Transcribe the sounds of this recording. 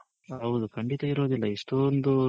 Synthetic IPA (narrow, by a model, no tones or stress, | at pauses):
ɐwd̪ukʰɐɳɖit̪ɐiɾo̞ːd̪ilːɐiʂʈond̪u